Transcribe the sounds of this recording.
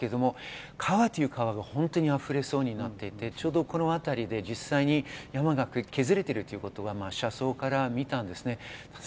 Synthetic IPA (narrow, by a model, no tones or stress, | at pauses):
keed̪o̞mo̞ | kʰaβat̪ːo̞jɯ̟kaβaɡahõ̞nt̪o̞ɲ̟iaɸɯ̟ɾe̞so̞ːɲ̟inat̪ːe̞it̪e̞t͡ɕo̞ːd̪o̞ko̞no̞at̪aɾʲid̪e̞d͡ʑisːaiɲ̟ijamaɡakɯ̟kʰe̞zɨɾe̞t̪e̞ɾɯ̟t̪ːojiɯ̟ko̞t̪o̞ɡamaːɕaso̞ːkaɾamʲit̪ãnd̪e̞sɨne̞